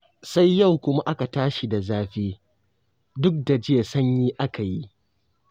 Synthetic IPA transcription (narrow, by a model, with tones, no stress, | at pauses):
sa˦jːa˦˨wkʷʊ˦ma˦ʔa˦ka˨taː˦ʃi˨da˨zaː˦ɸeː˦ | dʊ˦k̚da˨d͡ʒɪ˦je˨sɐ˦ɲjiː˦ʔa˦ka˨ji˦ʔ